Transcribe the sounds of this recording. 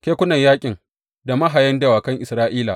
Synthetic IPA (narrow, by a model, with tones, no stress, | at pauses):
kʲeː˦kʷʊ˦nɐ˨ɲjaː˦kʲʼɪ˨ŋ | da˨mɐ˦ɦa˨jɐ˦nde˦waː˨kɐ˦ŋʔɪ˨sɾaː˦ʔiː˦la̰˨ʔ